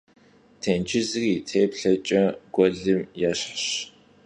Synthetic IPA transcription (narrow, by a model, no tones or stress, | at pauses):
tʰeːnt͡ʃʰɪzɨriːtʰeːpɬɐt͡ʃʼɐɡʷʼɔɮɨmjɛɕħɕ